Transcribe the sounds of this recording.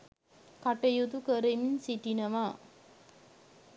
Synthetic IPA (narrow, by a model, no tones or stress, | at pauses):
kaʈəjud̪ukəɾeminsiʈinəʋa